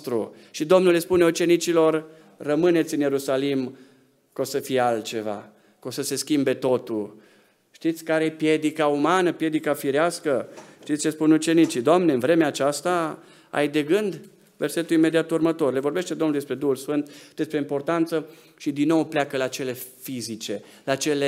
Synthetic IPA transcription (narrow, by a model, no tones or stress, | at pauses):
t̪ɾu | ʃid̪o̞mnulespune̞ut͡ʃe̞nit͡ʃilo̞rː | əmɨne̞t̪sʲɨnjeɾusalim | kosəfijealt͡ʃe̞va̰ | ko̞səse̞skʲimbe̞t̪o̞t̪u | ʃt̪it̪sʲkaɾejepje̞d̪ikaumanəpje̞d̪ikafiɾeaskəʃt̪it̪sʲt͡ʃe̞spunut͡ʃe̞nit͡ʃid̪oamneɨnvɾe̞meaːt͡ʃast̪a | a̰jd̪e̞ɡɨnd̪ | ve̞rse̞t̪uime̞d̪iat̪urmət̪o̞rle̞vo̞rbe̞ʃt̪e̞d̪omnuld̪es̬pɾe̞d̪uhulsfɨnt̪d̪e̞spɾe̞impo̞rt̪ant̪sə | ʃid̪inːo̞wpleakəlat͡ʃe̞le̞fizit͡ʃe̞ | lat͡ʃe̞le